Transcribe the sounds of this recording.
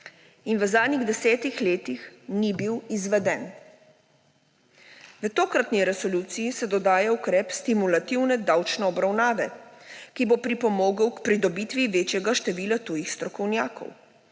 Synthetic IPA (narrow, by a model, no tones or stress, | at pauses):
inʋəzaːd̪niɣd̪ɛsɛːt̪ixleːt̪ixnibiwizʋɛd̪ɛːn | ʋət̪oːkɾat̪niɾɛsɔluːt̪sijisɛd̪ɔd̪aːjaukɾɛːpst̪imulat̪iwnɛd̪awt͡ʃnɛɔbɾawnaːʋɛkibopɾipɔmoːɡəwkpɾid̪ɔbit̪ʋiʋeːt͡ʃjɛɡaʃt̪ɛʋiːlat̪ujixst̪ɾɔkɔwnjaːkɔ̰w